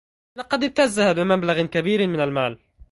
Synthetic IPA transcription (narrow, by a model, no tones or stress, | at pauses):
lɑqɑd̪ɪb̚t̪azːahabɪmablaɣkabiːɾmɪnalmaːl